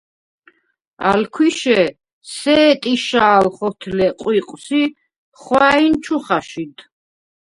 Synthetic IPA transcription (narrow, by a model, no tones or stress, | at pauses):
a̰lkʰwiʃɛ | sɛːt̪ʼiʃaːlχɔt̪ʰlɛqʼwiqʼwsi | χwaint͡ʃʰuχaʃid̪